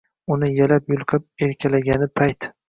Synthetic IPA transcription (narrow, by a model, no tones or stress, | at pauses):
ʊnɪjalapjʊlˠqʰɨp̚eɾkʲʰalaɡʲanɪpʰajt̪